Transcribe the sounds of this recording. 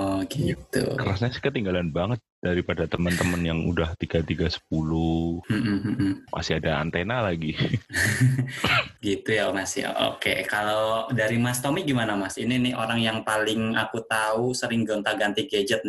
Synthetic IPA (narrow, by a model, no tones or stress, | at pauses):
ɔɡit̪ṵkəɾasɲasi̥kət̪iŋɡalanbaŋət̪̚d̥aɾipadat̪əmənt̪əmənjaŋṵdaht̪iɡat̪iɡasə̥p̚uluhm̩m̩ʔ̩ma̰sɪadaa̰nt̪enalaɡi | ɡit̪ujamasɪ̰ho̰ʔo̰kekalodaɾimast̪omɪɡimanamasininɪho̰ɾaŋjaŋpalɪŋakut̪ausəɾɪŋɡont̪aɡant̪iɡed͡ʒət̪̚nɪ